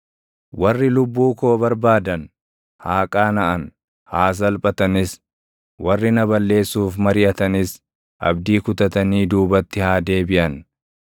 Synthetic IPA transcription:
wɐrːɪlʊbːuːko̞ːbɐɾbaːd̪ɐn | haːkʼaːnɐʔɐn | haːs̬ɐlpʼɐt̪ɐnɪs | wɐrːɪnɐbɐlːe̞ːsːuːfmɐɾɪʔɐt̪ɐnɪs | ʔɐ̰bd̪iːkʊt̪ɐt̪ɐniːd̪uːbɐt̪ːɪhaːd̪e̞ːbɪʔɐn

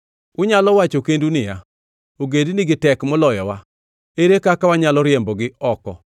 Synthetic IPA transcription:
ʊɲalɔwat͡ʃokendunɪja | oɡediniɡɪtɛkmɔlɔjɔwa | eɾekakawaɲalɔɾɪembɔɡɪɔkɔ̰

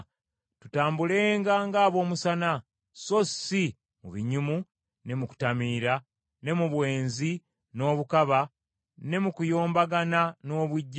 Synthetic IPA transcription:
tutaːmbule̞ːŋɡaŋɡaːβo̞ːmusana | so̞si | muβiɲumu | ne̞muku̥tamiːɾa | ne̞muβwe̞ːnzi | no̞ːβukaβa | ne̞mukujo̞ːmbaɡanano̞ːβwiɟː

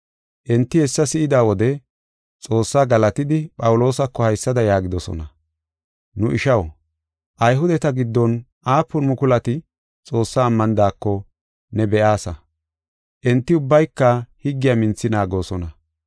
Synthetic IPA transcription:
ʔɛnt̪ːɪhɛsːɐsɪɪd̪aːwɔd̪ɛ | t͡sʼo̞ːsːaːɡɐlɐt̪ɪd̪ɪpʼɐwʊlo̞ːsɐkːɔhɐjsːɐd̪ɐjaːɡɪd̪ɔsɔ̰nɐ | nʊʔɪʃɐw | ʔɐjɦʊd̪ɛt̪ɐɡɪd̪ːɔnʔaːpːʊnmʊkʊlɐt̪ɪ | t͡sʼo̞ːsːaːmːɐnd̪aːkːɔ | nɛbɛʔaːsɐ | ʔɛnt̪ːɪʊbːɐjkːɐhɪɡːɪjamɪnt͡sːɪnaːɡo̞ːsɔnɐ

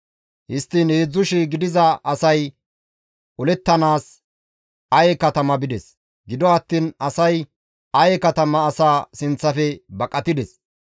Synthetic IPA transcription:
hɪst̪ːinheːd͡zːʊʃɪɡɪd̪ɪzɐɐsɐj | ʔʊlɛt̪ːɐnaːs | ɐjɛkɐt̪ɐmɐbɪd̪ɛs | ɡɪd̪ɔɐt̪ːiːnɐsɐj | ɐjɛkɐt̪ɐmɐːsaːsɪnt͡sːɐfɛbɐkʼːɐt̪ɪd̪ɛs

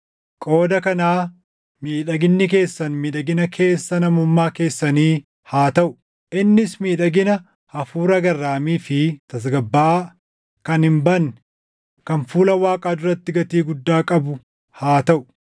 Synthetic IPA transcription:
kʼo̞ːd̪ɐkɐnaː | miːᶑɐɡɪnːɪk̬e̞ːsːɐnmiːᶑɐɡɪnɐkʰe̞ːsːɐnɐmʊmːaːke̞ːsːɐniː | haːt̪ɐʔʊ | ʔɪnːɪsmiːᶑɐɡɪnɐ | hɐfuːɾɐɡɐrːaːmiːfɪt̪ɐs̬ɡɐbːaː | kɐnhɪmbɐnː | kɐnfuːlɐwaːkʼaːd̪ʊɾɐt̪ːɪɡɐt̪iːɡʊd̪ːaːkʼɐbʊ | haːt̪ɐʔʊ

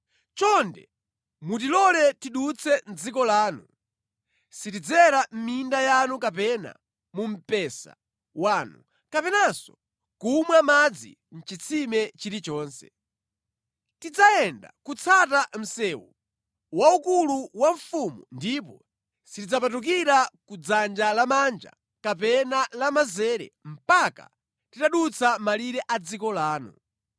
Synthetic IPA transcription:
t͡ʃɔndɛ̰ | mut̬ilɔlɛtiɗut͡sʰɛn̩d͡zikɔlaːnu | sitid͡zɛɾam̩mindajanukapɛna̰ | mum̩pɛsa̰ | waːnu | kapɛnasɔ̥̰ | kumwamad͡zḭ | n̩t͡ʃit͡sʰimɛt͡ʃiɾit͡ʃɔːnsɛ̰ | tid͡zaɛnda̰kut͡sʰatam̩sɛːwu | waukuluwaɱfumundip̬ɔ | sitid͡zapatuk̬iɾakud͡zand͡ʒalamand͡ʒa̰ | kapɛnalamazɛːɾɛ̰m̩paka̰ | titaɗut͡sʰamaliɾɛʔad͡zikɔlaːnṵ

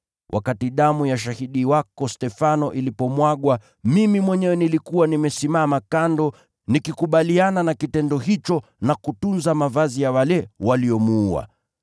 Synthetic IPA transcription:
wʔa̰katiɗamujaʃ̬ahiɗiwakɔstɛfanɔʔilipɔmwaɠwa | mimimwɛɲɛwɛnilikuwanimɛsimamakandɔ | nikikuɓaliananakitɛndɔhit͡ʃɔ | nakutunzamavazijawalɛwaliɔmuua̰

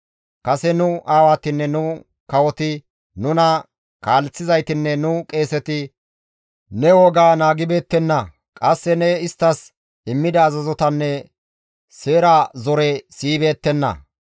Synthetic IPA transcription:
kɐsɛnʊaːwaːt̪ɪnːɛnʊ | kɐwɔt̪ɪ | nʊnɐ | kaːlɛt͡sːɪzɐjt̪ɪnːɛnʊkʼe̞ːsɛt̪ɪ | nɛwɔɡaːnaːɡɪbe̞ːt̪ːɛnːɐ | kʼɐsːɛnɛɪst̪ːɐs | ɪmːɪd̪ɐːzɐzɔt̪ɐnːɛ | seːɾazɔɾɛsiːbe̞ːt̪ːɛnːɐ̰

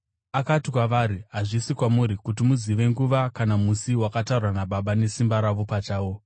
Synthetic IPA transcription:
akatikwaʋaɾiɦaʐisikwamuɾikutimuziʋe̞ŋɡuʋakanamusiwakataurwanaɓaɓane̞simbaɾaʋo̞pat͡ʃaːwo̞

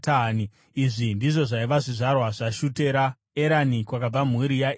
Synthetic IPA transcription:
tani | iʐindiʐo̞ʐaiʋaʐiʐarwaʐaʃute̞ɾa | eɾanikwakab͡vam̤uɾija

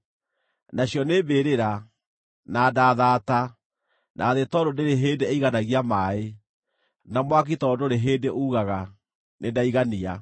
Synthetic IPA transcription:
naɕjɔnebeɾeɾa | nadaːðaːta | nʔa̰ðetɔdoneɾeɦeːndeeiɣanaɣiamaːe | namwak̬itɔdoɾeɦeːdeʔuɣaɣa | nendaiɣania

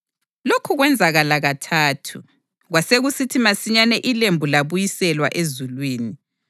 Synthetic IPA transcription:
lokʰuɣwɛnd͡zʱaɣalaɣatʰaːtʰu | ɣwaseɣusitʰimasiɲanɛʔilembʱulaβujisɛlwa̰ʔezulwiːni

